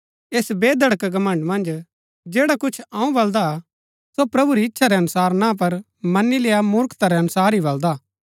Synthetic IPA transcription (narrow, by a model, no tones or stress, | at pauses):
eːsbeːd̪ɐɽkɡɐmɐ̃ɳɖmɐ̃nd͡ʒ | d͡ʒeːɽakʊt͡ʃʰãũbɐld̪a | sopɾɐbuɾiɪtːʃʰaɾɛɐnʊsaːɾnãp̬ɐɾ | mɐnːileːamʊɾkt̪aɾɛɐnʊsaːɾɦibɐld̪aː